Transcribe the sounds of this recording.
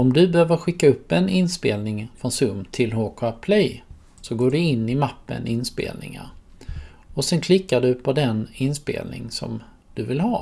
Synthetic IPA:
ɔmd̪ɵbɛhøːvəɾɧɪkːaɵpːɛnɪnspeːlnɪŋfɾɔnsɵmt̪ʰɪlɦoːkʰʊapʰlɛj | sɔɡoːɖɵɪnːɪmapːə̰nʔɪnspḛːlnɪ̰ŋa̰ɾ | ɔsɛnkʰlɪkːaɖɵpʰɔd̪ɛnɪnspḛːlnɪ̰ŋsɔ̰m | d̪̥ɵvɪlhɑː

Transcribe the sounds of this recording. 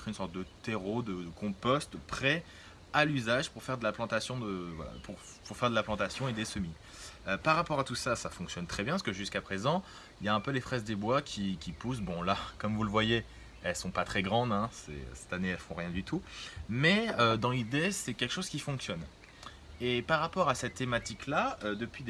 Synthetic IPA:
χynsɔʁt̪̚d̪ət̪eʁod̪əd̪əkɔ̃pɔst̪pχɛ | alyzaʒpuʁfɛʁd̪əlaplɑ̃t̪asjɔ̃d̪əvwa̰la̰pʰuʁ | puʁfɛʁd̪əlaplɑ̃t̪asjɔ̃ed̪esəmi | øpaʁːapɔʁat̪usasafɔ̃ksjɔnt̪χɛbjɛ̃pskəʒyskapχezɑ̃ | iljaɛ̃pølefχɛzd̪ebwakʲʰikʲipus̬bɔ̃lakɔmvuləvwaje | ɛlsɔ̃pat̪χɛɡʁɑ̃d̪ɛ̃sɛ̰sɛ̥t̪aneɛlfɔ̃ʁjɛ̃d̪yt̪umɛød̪ɑ̃lid̪esɛkʲɛlkə̥ʃoz̥kʲifɔ̃ksjɔn | epaʁapɔʁasɛt̪ːemat̪iklaød̪əpɥid̪

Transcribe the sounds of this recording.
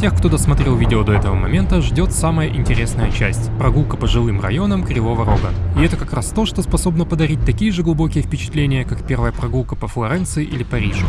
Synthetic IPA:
tʲexkt̪o̞d̪əsmɐt̪ɾʲe̞lˠvʲidʲɪod̪oɛt̪əvəmɐ̰mʲe̞nt̪əʐdʲo̞t̪saməjəʔɪnʲtʲɪɾʲe̞snəjət͡ɕæsʲtʲpɾɐɡulˠkəpəʐɨlˠɨmrɐ̰jo̞nəmkɾʲɪlˠovəɾo̞ɡəɪɛt̪əkɐkɾast̪o̞ʂt̪o̞spɐso̞bnəpəd̪ɐɾʲit̚ʲt̪ɐkʲijəʐɨɡlˠʊbo̞kʲɪjəfpʲɪt͡ɕɪ̥t̪lʲenʲɪjəkakpʲe̞rvəjəpɾɐɡulˠkəpəflˠɐɾɛnt̪sɨɪʔilʲɪpɐɾʲiʐʊ

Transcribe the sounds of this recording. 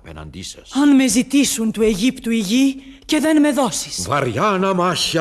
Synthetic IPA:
ɐpenɐ̰nd̪isɐsɐnme̞zit̪isunt̪ue̞ʝipt̪uiʝice̞ðe̞nme̞ðo̞si̥svɐɾʝanɐmaçɐ

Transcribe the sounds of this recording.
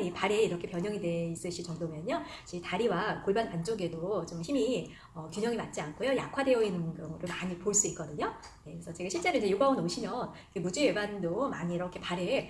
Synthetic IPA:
ipaɾeiɾʌkʰe̞pjʌɲʌŋide̞is͈ɯɕʰit͡ɕʌŋdomjʌnjʌ | t͡ɕitaɾiwakoɭbanpant͡ɕ͈oɡe̞dot͡ɕomçimi | ʌkjuɲʌŋimat̚t͡ɕ͈iankʰojoja̰kʰwade̞ʌinːɯnkɯɾʌŋɡʌɾɯɭmaɲipoɭs͈uit̚k͈ʌdɯɲo | ne̞kesʰʌt͡ɕe̞ɡaɕʰiɭt͡ɕ͈e̞ɾoid͡ʑe̞joɡaunoɕʰimjʌnikemud͡ʑijebandomaɲiːɾʌkʰe̞paɾe

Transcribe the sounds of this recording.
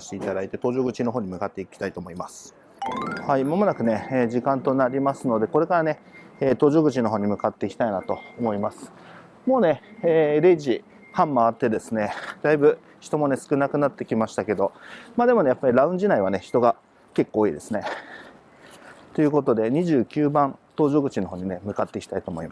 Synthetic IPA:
saɕi̥t̪e̞it̪ad̪ait̪e̞t̪o̞ːʑo̞ːɡɯ̟t͡ɕino̞ɦoːɲ̟imɯ̟kat̪ːe̞kʲi̥t̪ait̪o̞ːmoimasɨ̥ | haimomo̞nakɯ̟ne̞eːʑikãnt̪o̞naɾʲimasɨno̞d̪e̞ko̞ɾe̞kaɾane̞eːt̪o̞ːʑo̞ːɡɯ̟t͡ɕino̞ɦo̞ːɲ̟imɯ̟kat̪ːe̞kʲi̥t̪ainat̪o̞ːmo̞imasɨ̥ | mo̞ːne̞ːɾe̞iʑi | hãmːaːt̪ːe̞d̪e̞sɨne̞d̪̥aibɯ̟ | çi̥t̪o̞mo̞ne̞sɨ̥kɯ̟nakɯ̟nat̪ːe̞kʲimaɕi̥t̪ake̞d̪o̞maːd̪e̞mo̞ne̞japːaɾʲiɾaɯ̟̃ɲ̟d͡ʑinaiβ̞ane̞çi̥t̪o̞ɡa | ke̞kːo̞ːiːd̪e̞sɨne̞ | t̪o̞jɯ̟ko̞t̪o̞d̪e̞ɲ̟iʑɨːkʲɨːbãnt̪o̞ːʑo̞ːɡɯ̟t͡ɕino̞ɦo̞ːɲ̟ine̞mɯ̟kat̪ːe̞kʲi̥t̪ait̪o̞ːmo̞imas

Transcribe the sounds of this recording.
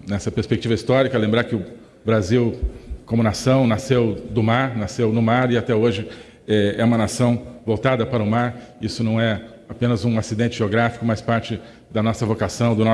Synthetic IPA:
nɛsɐpeɾspek̚t͡ʃivɐist̪ɔɾikɐlẽmbɾaɾkɪʊ | bɾaziwkõmʊnasɐ̃w̃nasewd̪ʊmaɾnasewnʊmaɾɪat̪ɛoʒɪ | ɛɛũmɐnasɐ̃w̃vowt̪ad̪ɐpaɾɐʊmaɾisʊnɐ̃w̃ɛ | apẽnɐzũasid̪ẽnt͡ʃɪʒeoɡɾafi̥kʊmajspaɾt͡ʃɪ | d̪ɐnɔsɐvokasɐ̃w̃d̪ʊnɔ

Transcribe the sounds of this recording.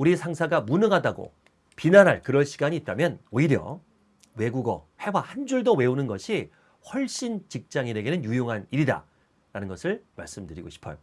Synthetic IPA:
uɾisʰaŋsʰaɡamunɯɡadaɡo̰ | pinanɦaɭkɯɾʌɭɕʰiɡaɲiːt̚t͈amjʌnoiɾjʌ̰ | we̞ɡuɡʌhe̞wahand͡ʑuɭdowe̞unɯnɡʌɕʰi | ɸwʌɭɕ͈int͡ɕik̚t͡ɕ͈aŋiɾe̞ɡe̞nɯnjujoŋɦaniɾida̰ | ɾanɯnɡʌsʰɯɭmaɭs͈ɯmdɯɾiɡoɕʰi̥pʰʌjo

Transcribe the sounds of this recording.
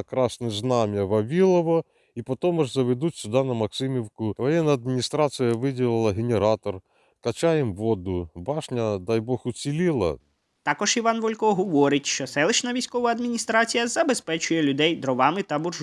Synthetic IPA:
kɾɑsnɪznɑmʲjɐʋɐʋʲilˠɔʋɔ | ipɔt̪ɔmɐʐzɐʋed̪utʲsʲʊd̪ɑnɐmɐksɪmʲiwkʊʋɔjɛnːɐɐd̪mʲinʲist̪ɾɑsɨjɐʋɪdʲilˠɪlˠɐɦenʲeɾɑt̪ɔr | kɐt͡ʃajɪmʋɔd̪ʊbɑʂnʲɐd̪ɑjbɔxʊt͡sʲilʲilˠɐ̰ | t̪ɑkɔʒiʋɑnʋɔlʲkɔɦɔʋɔɾɪtʲʃt͡ʃɔsɛlˠɪt͡ʃnɐʋʲijsʲkɔʋɐɐd̪mʲinʲist̪ɾɑt͡sʲijɐzɐbespɛt͡ʃʊjɛlʲʊd̪ɛjd̪ɾɔʋɑmɪt̪ɐbʊrʒ

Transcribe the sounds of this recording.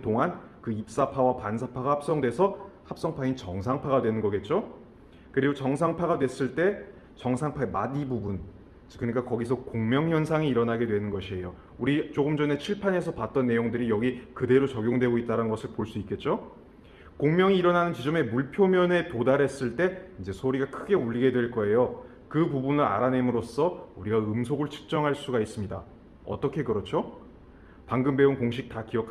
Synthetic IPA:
t͈oŋankɯip̚s͈apʰawapans̬ʰapʰaɡahap̚s͈ʌŋdwe̞sʰʌhap̚s͈ʌŋpʰaint͡ɕʌŋsʰaŋpʰaɡadwe̞nɯnɡʌɡe̞t̚t͡ɕ͈o | kɯɾiɡot͡ɕʌŋsʰaŋpʰaɡadwe̞s͈ɯɭt͈e̞ | t͡ɕʌŋsʰaŋpʰaemadibubun | kɯɲik͈akʌɡis̬ʰʌkoŋmjʌŋçjʌnsʰaŋiːɾʌnaɡe̞dwe̞nɯnɡʌɕʰie̞jo | uɾit͡ɕoɡɯmd͡ʑʌne̞t͡ɕʰiɭpʰane̞sʰʌpat̚t͈ʌnːe̞joŋdɯɾijʌɡikɯde̞ɾot͡ɕʌɡjoŋdwe̞ɡoit̚t͈aɾanɡʌsʰɯɭpoɭs͈uik͈e̞t̚t͡ɕ͈o | koŋmjʌŋiːɾʌnanɯnt͡ɕid͡ʑʌme̞muɭpʰjomjʌne̞todaɾe̞s͈ɯɭt͈e̞ind͡ʑe̞sʰoɾiɡakʰɯɡe̞uʎːiɡe̞dwe̞ɭk͈ʌe̞jo | kɯpubunɯɾa̰ɾane̞mɯɾos͈ʌuɾiɡaɯmsʰoɡɯɭt͡ɕʰɯ̥k̚t͡ɕ͈ʌŋɦaɭs͈uɡais͈ɯmɲida̰ | ʌ̰t͈ʌkʰe̞kɯɾʌt͡ɕʰo | paŋɡɯmbe̞unkoŋɕ̬ʰik̚t͈akiʌkʰ

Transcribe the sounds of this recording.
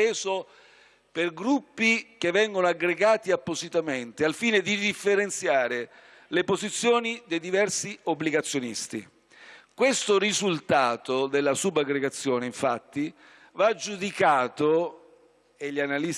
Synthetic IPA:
eːzo | perɡɾupːikevːɛŋɡonoaɡɾeɡaːt̪iapːozit̪ament̪ealfiːned̪id̪ifːeɾent̪sjaːɾe | lepozit̪sːjoːnid̪ejd̪ivɛrsiobːliɡat̪sːjonḭst̪ḭ | kwest̪orizult̪aːt̪od̪elːasubːaɡɾeɡat̪sːjoːneiɱfa̰t̪ːi | vad͡ʒːud̪ikaːt̪o | eʎːianali

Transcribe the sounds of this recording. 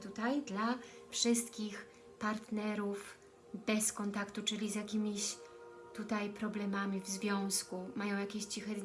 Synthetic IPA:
t̪ut̪ajd̪lafʂɘst̪kʲix | paɾt̪nɛɾuf | bɛskɔnt̪akt̪ut͡ʂɘlʲizjakʲimʲiɕ | t̪ut̪ajpɾɔblɛmamʲivzvʲjɔ̃w̃skumajɔ̃w̃jakʲeɕt͡ɕixɛ

